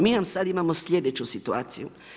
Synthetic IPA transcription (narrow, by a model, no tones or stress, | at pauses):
minamsad̪imamosʎʲed̪et͡ɕusit̪ua̰ːt̪sijṵ